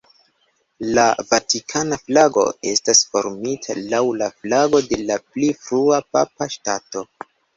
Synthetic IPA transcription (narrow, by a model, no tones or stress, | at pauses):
lavatikʰanaflaɡo̞̰e̞stasfo̞̰ɾmitʰa̰lawlaflaɡo̞de̞laplifɾuapa̰paʃtato̞